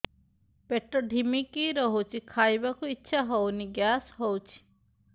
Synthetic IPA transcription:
peʈːɔɖʱimikiɾɔɦut͡ʃʰikʰajbakuitːʃʰaɦɔwniɡjasɦowt͡ʃʰi̥

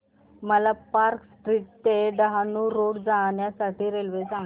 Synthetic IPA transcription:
məlapaɾksʈɾiːʈ̚t̪eɖəɦanuːɾoɽd͡zaɳjasaʈiːɾelʋesãŋ

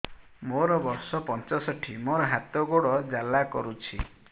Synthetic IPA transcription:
moɾɔbɔɾsɔpɔnt͡ʃɔsɔʈʰimoɾɔɦat̪ɔɡoɽɔd͡ʒalakɔɾut͡ʃʰḭ

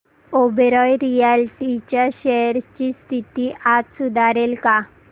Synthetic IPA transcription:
obɾɔjɾijalʈit͡ɕaʃɛɾt͡ɕist̪ʰit̪iʔat̪sud̪ʱaɾelka

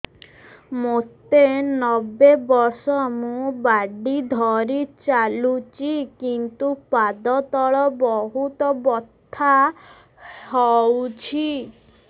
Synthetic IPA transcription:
mot̪enɔbebɔɾsɔmũbaɖid̪ʱɔɾit͡ʃalut͡ʃikint̪upad̪ɔt̪ɔɭɔbɔɦut̪ɔbɔt̪ʰːa | ɦɔwt͡ʃʰi

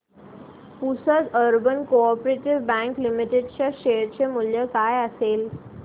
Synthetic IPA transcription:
pusət̪əɾbənkoɔpɾeʈiʋbæ̃ŋklimiʈeɖt͡ɕjaɕeɾt͡ɕemuljəkajəsel

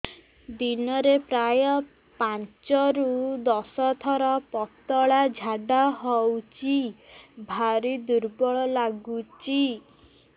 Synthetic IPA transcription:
d̪inɔɾepɾajɔ | pant͡ʃɔɾud̪ɔsɔt̪ʰɔɾɔpɔt̪ɔɭad͡ʒʱaɖaɦɔwt͡ʃʰibʱaɾid̪uɾbɔɭɔlaɡut͡ʃi

